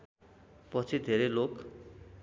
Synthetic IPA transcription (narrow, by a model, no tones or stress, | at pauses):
pɔt͡sʰid̪ʱeɾelok